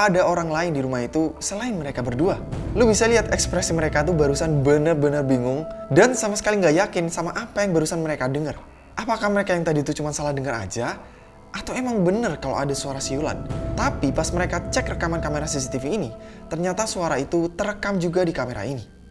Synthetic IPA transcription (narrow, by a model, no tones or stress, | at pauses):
adaoɾaŋlaɪndiɾumaɦit̪usəlaɪnməɾekabərdualubisaliɦat̪ɛkspɾɛsiməɾekat̪̬ubaɾusanbənərbənərbiŋʊŋdansamasə̥kaliŋɡajakɪnsamaʔapajaŋbaɾusanməɾekadəŋər | ʔapakahməɾekajaŋt̪adit̪ut͡ʃumansalahdəŋəɾa̰d͡ʒa | ʔat̪awemaŋbənərkalo̰adasuaɾasiula̰nt̪apipasməɾekat͡ʃɛkrəkamankameɾasis̬it̪ifiːnit̪ərɲat̪asuaɾait̪ut̪əɾəkamd͡ʒuɡadikameɾa̰ini